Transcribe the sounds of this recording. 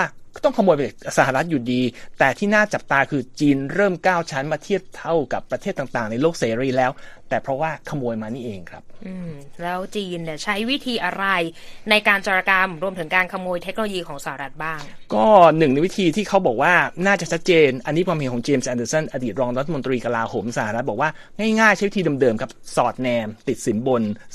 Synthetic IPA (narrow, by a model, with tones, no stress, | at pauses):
a˥˩kt̪ɔ˥˩ŋkʰa˧moː˧jpa˨˩sa˧˩a˨˩ɾa˦˥t̪̚juː˨˩diː˧t̪ɛː˨˩t̪ʰiː˥˩naː˥˩t͡ɕa˨˩p̚t̪aː˧kʰɯː˧t͡ɕiː˧nɾɤː˥˩mkaː˥˩wt͡ɕʰa˦˥nmaː˧t̪ʰi˥˩əp̚t̪ʰːa˥˩wka˨˩pːɾa˧t̪ʰeː˥˩t̪ːa˨˩ŋt̪aː˨˩ŋna˧jloː˥˩k̚seː˧ɾiː˧˩lɛː˦˥wt̪ɛː˨˩pʰɾɔ˦˥waː˥˩kʰa˧mːoː˧jmaː˧niː˥˩ʔeː˧ŋkʰɾa˦˥p̚ʔɯː˧˩mlɛː˦˥wt͡ɕiː˧nni˧˩t͡ɕʰa˦˥jwi˦˥t̪ʰiː˧ʔa˧ɾa˧jna˧jkaː˧nt͡ɕa˧ɾa˧ka˧mɾu˧əmt̪ʰɯ˩˦ŋkaː˧nkʰa˧mːoː˧jt̪ʰe˦˥k̚no˧o˧jiː˧kʰɔː˩˦ŋsa˧ha˨ɾa˦˥t̪̚baː˥˩ŋkɔː˥˩nɯ˨˩ŋna˧jwi˦˥t̪ʰiː˧t̪ʰiː˥˩kʰa˦˥wbɔː˨˩k̚waː˥˩naː˥˩t͡ɕa˨˩t͡ɕʰa˦˥t̪̚t͡ɕeː˧nʔa˧nːi˦˥kʰwaː˧mhe˨˦nkʰɔː˩˦ŋt͡ɕeː˧msʔɛː˧ndəː˧sɔ˥˩nʔa˧diː˨˩t̪̚ɾɔː˧ŋɾa˦˥t̪ʰːm˧nt̪ɾiː˧ka˧laː˧hoː˩˦msa˧ha˨˩ɾa˦˥t̪̚bɔː˨˩waː˥˩ | ŋaː˥˩jŋaː˥˩jt͡ɕʰa˦˥jwi˦˥t̪iː˧dɤː˧mdɤː˧mkʰa˦˥p̚sɔː˨˩t̪̚nɛː˧mt̪i˨˩t̪̚si˩˦nbo˧n